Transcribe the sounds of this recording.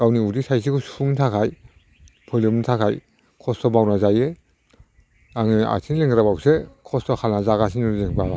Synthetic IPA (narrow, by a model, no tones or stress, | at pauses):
ɡ̥awniudisajs̬ʰikʰusuŋtʰakʰaj | pʰɯlɯmnitʰakʰaj | kʰɔstɔbawnazaje | aŋɯa̰sʰinileŋɡɾabawsekʰɔstʰɔkʰalnazaɡas̬ʰinuɾzeŋbaɡa